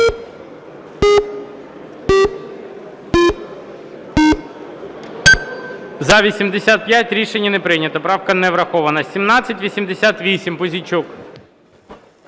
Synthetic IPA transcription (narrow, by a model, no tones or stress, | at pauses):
zɐʋʲisʲimd̪esʲat̪̚pjatʲɾʲiʃenʲːɐnɛpɾɪnʲɐt̪ɔpɾɑwkɐnɛʋɾɐxɔʋɐnɐsʲimnɑt͡sʲːɐtʲʋʲisʲimd̪esʲat̪ʋʲisʲimpʊzʲit͡ʃuk